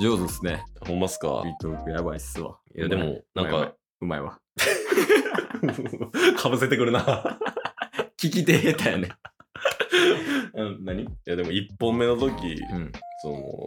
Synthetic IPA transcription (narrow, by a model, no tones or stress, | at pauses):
d͡ʑoːzɨsɨne̞ahõmːasɨ̥ka̰it̪okɯjabaisɨβa̰ | jad̪e̞mmo̰nãŋka̰ | ɯ̟maeβa̰ | kʰabɯse̞t̪e̞kɯ̟ɾɯ̟na | kʲik̬ʲit̪et̪ajane | ɯ̃naɲ̟ijad̪e̞mo̞ipːõ̞mːe̞no̞t̪okʲḭ̃sono̰